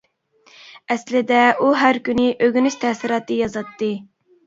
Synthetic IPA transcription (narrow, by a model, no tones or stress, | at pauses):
ɛslɪd̪ɛʔuɦæɾkʲynɪʔøɡʲynyʃt̪ʰɛsɪɾɑːt̪ɨjɑzɑt̪ːɨ